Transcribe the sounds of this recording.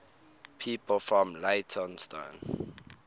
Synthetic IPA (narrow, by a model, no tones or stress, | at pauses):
pʰiːpəlfɹɔ̃mletʰɔ̃nstã̰n